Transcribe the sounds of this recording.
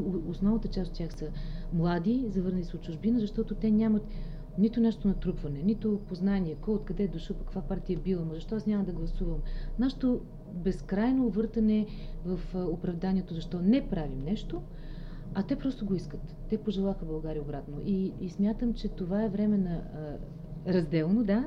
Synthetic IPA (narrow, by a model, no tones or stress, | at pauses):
osnɔvnət̪ət͡ʃasot̪̚tʲjaxsəmlˠad̪izɐvɤɾnɐlʲisɛot̪t͡ʃuʒbinəzɐʃt̪ɔt̪ʊt̪ɛnʲamɐt̪ | nit̪ʊnɛʃt̪onɐt̪ɾupvɐnɛnit̪opoznanʲiɛkɔjot̪̚kɐd̪ɛd̪oʃəlˠkɐkvapaɾt̪iəbilˠəmɐzɐʃt̪ɔasnʲamɐd̪ɐɡlˠɐsuvəmnaʃɛt̪o | bɛskɾajnoːvɤɾt̪ɐnɛ | vɐfopɾɐvd̪anʲiɛt̪ozɐʃt̪ɔnɛpɾavimnɛʃt̪o | ɐt̪ɛpɾɔst̪oɡoiskət̪ːɛpoʒɛlˠaxəbɐlˠɡaɾʲiobɾat̪noʔiːsmʲjat̪əmt͡ʃɛt̪ovaɛvɾɛmɛnɐ | ɾɐzd̪ɛlˠnod̪a